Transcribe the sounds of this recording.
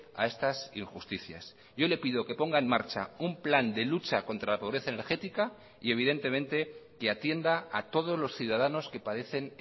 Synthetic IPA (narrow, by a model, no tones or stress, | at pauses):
a̰e̞st̪asiŋxust̪iθja̰s | ɟ͡ʝo̞le̞piðo̞ke̞po̞ŋɡae̞nmaɾt͡ʃaumpland̪e̞lut͡ʃako̞nt̪ɾalapo̞βɾe̞θaene̞ɾxe̞t̪ika | ie̞β̞iðe̞nt̪e̞mẽnt̪e̞keat̪je̞nd̪aat̪o̞ð̞o̞zlo̞sθjuð̞að̞ano̞ske̞paðe̞θe̞n